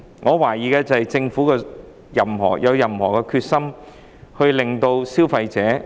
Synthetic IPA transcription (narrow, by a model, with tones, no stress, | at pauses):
ŋʔɔː˨˧waː˨˩jiː˨kɛː˧t͡sɐ˨hɐ˨jt͡sɪ˧ŋfuː˨˥kɛː˧ | jɐ˨˩mhɔ̰ː˨˩jʔɐ˨˧wjɐ˨˩mhɔ̰ː˨˩kɛː˧kʰyː˧t̚sɐ˥m | hɵ˧ɥlɪ˨ŋt̪o˧wsiː˥wfɐ˧jt͡sɛː˨˥